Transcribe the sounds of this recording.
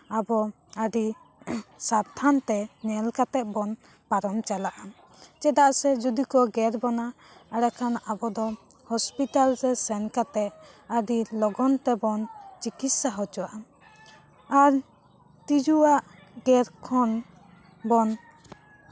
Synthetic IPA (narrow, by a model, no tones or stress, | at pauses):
abɔ | əɖi | saɾt̪ʰant̪ɛnɛlkat̪ɛʔ̪̚bɔn | paɾɔmt͡ʃalaʔa | t͡ʃɛd̪aʔsɛd͡ʒud̪ikɔɡɛɾbɔna | əɽɛkʰanabɔd̪ɔ | hɔspit̪alɾɛsɛnkat̪ɛt̪̚əɖilɔɡɔnt̪ɛbɔnt͡ʃikit̪saɦɔd͡ʒɔaa | aɾ | t̪id͡ʒuwaʔ | ɡɛɾkʰɔn | bɔn